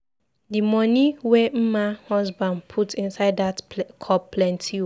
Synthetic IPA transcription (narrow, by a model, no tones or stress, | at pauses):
dimɔ̃niwem̩mahɔsbãndpʰutĩnsaɪdatkʰɔpːlɛ̃ntʰi